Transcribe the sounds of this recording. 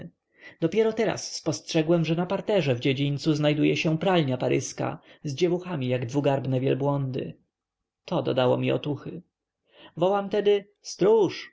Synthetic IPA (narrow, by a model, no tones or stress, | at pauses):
d̪̥ɔpʲjɛɾɔt̪ɛɾa̰sːpɔstʂɛɡwɛmʐɛnapaɾt̪ɛʐɛvd͡ʑed͡ʑiɲt̪suznajd̪ujɛɕɛpɾalɲapaɾɘska̰zd͡ʑɛvuxamʲijaɡd̪vuɡaɾbnɛvʲjɛ̰lbwɔnd̪ɘ̰ | t̪ʰɔd̪ɔ̰d̪awɔ̰mʲiɔ̰t̪uxɘ | vɔwamt̪ɛd̪ɘ | st̪ɾuʂ